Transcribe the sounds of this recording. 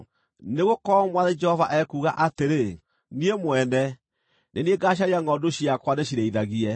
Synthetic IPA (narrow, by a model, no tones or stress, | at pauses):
neɣokɔmwaðed͡ʒɛhɔvaʔɛkuːɣa̰ʔateɾe | niemwɛnɛ | nenieɡaɕ̬aɾiaŋɡɔdoɕiakwaneɕiɾeiðaɣiɛ